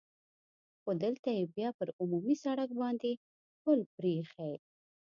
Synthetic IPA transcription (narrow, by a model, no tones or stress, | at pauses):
xod̪əlt̪ajebjɑpəɾʊmumisaɽak̚bɑnd̪e | xpəlpɾexaj